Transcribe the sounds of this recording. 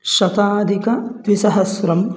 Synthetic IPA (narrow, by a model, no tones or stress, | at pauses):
ʃɐt̪aːd̪ʱikɐt̪ʋisɐɦɐsɾɐm